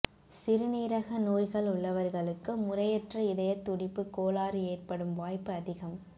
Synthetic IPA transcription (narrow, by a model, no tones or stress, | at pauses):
sɪɾɯniːɾɐɣɐnoːjɣɐɭʊɭːɐʋɐɾɣɐɭɯkːɯmʊrɐjɛʈrɐɪðɐjɐt̪ːʊɽɪpːɯkːoːlaːɾɯeːrpɐɽɯmʋaːjpːɯɐðɪɣɐm